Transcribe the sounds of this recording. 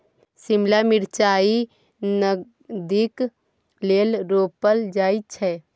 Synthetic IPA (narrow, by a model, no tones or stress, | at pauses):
simlamiɾt͡ʃaːi | nə | d̪ik | lelɾoːpəld͡ʒaːit͡ʃʰɛ